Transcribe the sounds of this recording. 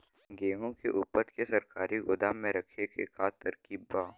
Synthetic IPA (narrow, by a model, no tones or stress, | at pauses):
ɡeːŋõkḛʔuːpəɾt̪kesɐɾkaːɾiɡʊd̪aːmːẽɾɐkʰekḛkʰaːt̪ɐɾkiːbbaː